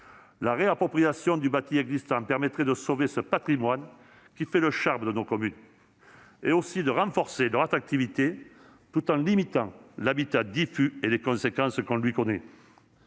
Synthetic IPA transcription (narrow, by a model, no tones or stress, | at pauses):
laʁeapχɔpχijasjɔ̃d̪ybat̪iɛɡzist̪ɑ̃pɛʁmɛt̪χed̪əsovesəpat̪χimwan | kʲifɛləʃaʁməd̪ənokɔmyn | eosid̪əʁɑ̃fɔʁselœʁat̪χak̚t̪ivit̪e | t̪ut̪ɑ̃limit̪ɑ̃labit̪ad̪ifyelekɔ̃sekɑ̃skɔ̃lɥikɔne